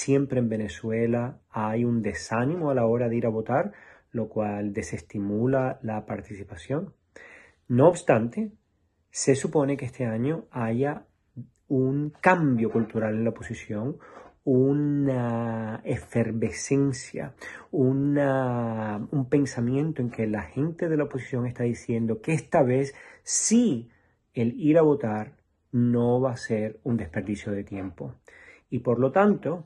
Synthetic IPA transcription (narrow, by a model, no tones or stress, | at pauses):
sje̞mpɾe̞ːmbe̞ne̞swe̞laajund̪e̞sanĩmo̞alao̞ɾaðeiɾaβo̞t̪aɾ | lo̞kwald̪e̞se̞st̪imulalapaɾt̪isipasjo̞ŋː | oːβst̪ant̪e̞ | se̞supo̞ne̞keest̪e̞aɲo̞aʝa | uŋkambjo̞kult̪uɾale̞nlaopo̞sisjo̞ŋunaefe̞ɾβe̞se̞nsja̰una | umpẽ̞nsamjẽ̞nt̪oe̞ŋke̞laxe̞nt̪e̞ðe̞laopo̞si̥sjo̞ŋest̪aðisje̞nd̪o̞keest̪aβ̞e̞ssi | e̞liɾaβo̞t̪aɾ | no̞βase̞ɾund̪e̞spe̞ɾðisjo̞ðe̞t̪je̞mpo̞ | ipo̞ɾlo̞t̪ant̪o̞